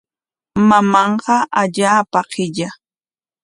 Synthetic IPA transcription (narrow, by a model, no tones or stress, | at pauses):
mamɑɴqɑʔaʎaːpaqʰɪʎa